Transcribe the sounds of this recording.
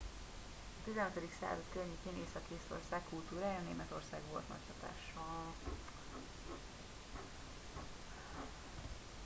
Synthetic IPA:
ɒt̪izɛnɛt̪ød̪iksa̰ːzɒt̪kørɲiceːneːsɒkeːso̞̰rsaːkːult̪uːɾaːjɒneːmɛt̪o̞rsaːɡʋo̞̰lt̪nɒ̰chɒt̪a̰ːʃɒ

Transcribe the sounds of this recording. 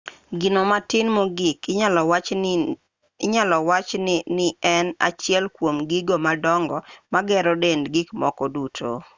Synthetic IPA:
ɡɪnomatɪnmoɡik | ɪɲalɔwat͡ʃnnɪɛna̰t͡ʃɪɛlkwomɡiɡomadɔŋɡɔmaɡɛɾɔdendɡikmɔ̰kɔdutʰo̰

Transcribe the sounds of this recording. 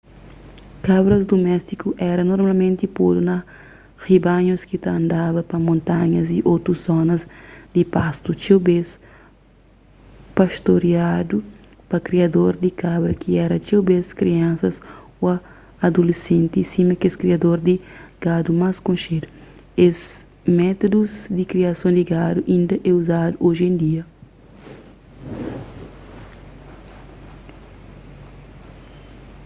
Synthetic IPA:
kabɾɐzd̪umɛst̪ikuʔɛɾɐnoɾmalmẽnt̪ipod̪unɐ | hibaɲoskit̪ɐɐ̃nd̪abɐpɐmõnt̪aɲɐziʔot̪ɾuszɔnɐzd̪ipast̪ut͡ʃewbes | paʃt̪oɾiad̪u | pɐkɾiɐd̪oɾd̪ikabɾɐkiɛɾɐt͡ʃewbeskɾiãnsɐs | oɐː | d̪ulesẽnt̪isimɐkeskɾiɐd̪oɾd̪iɡ̥ad̪umaskõʃed̪uez | mɛt̪od̪uzd̪ikɾiɐsɐ̃w̃d̪iɡad̪uʔĩnd̪ɐʔɛuzad̪uʔoʒẽnd̪iɐ

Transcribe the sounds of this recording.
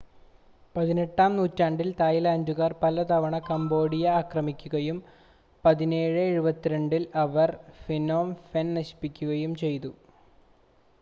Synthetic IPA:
pɐðine̞ʈːaːmnuːtːaːɳɖilt̪aːjilɐːɲd͡ʑuɣaːrpɐlɐt̪ɐʋɐɳɐkɐmbo̞ːɽijɐaːkrɐmikʲːuɣɐjum | pɐðineːɻɨeɻubɐt̪ːiɾe̞ɳɖilɐʋɐrfinoːmfennɐɕi̥pːikʲːuɣɐjumt͡ɕe̞jt̪u

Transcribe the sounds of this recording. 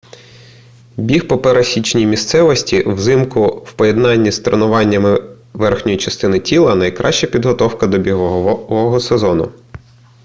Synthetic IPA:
bʲihpɔpeɾɐsʲit͡ʃnʲijmʲist̪sɛʋɔsʲtʲḭwzɪmkʊwpɔjed̪nɑnʲːist̪ɾenʊʋɑnʲːɐmɪ | ʋɛrxnʲɔjit͡ʃɐst̪ɪnɪtʲʰilˠɐnɐjkɾʔɑʃt͡ʃɐpʲid̪ɦɔt̪ɔwkɐd̪ɔbʲiɦɔɦɔsezɔnʊ̰

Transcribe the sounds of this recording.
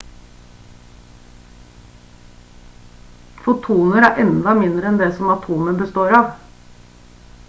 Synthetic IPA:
fʊt̪ʰuːnəɾæɾʔɛnd̪ɑmɪnd̪ɾəɛnd̪eːsɔmɑt̪ʰuːməbəst̪oːɾɑːʋ

